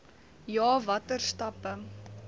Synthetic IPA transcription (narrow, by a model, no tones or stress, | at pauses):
jɑːvɐtərstɐpə